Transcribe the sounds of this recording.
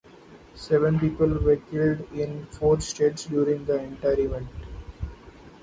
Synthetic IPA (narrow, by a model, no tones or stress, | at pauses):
sɛʋə̃npiːpəlʋeːɾkɪlɖɪ̃nfoːɾsʈeːʈsɖjuːɾɪ̃ŋɡd̪əɛ̃ɳʈaɪɾimẽɳʈ